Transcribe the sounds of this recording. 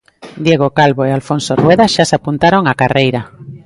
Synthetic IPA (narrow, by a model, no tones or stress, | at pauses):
d̪jeɣ̞okalβoealfonsorweðaʃasapunt̪aɾoŋakarejɾa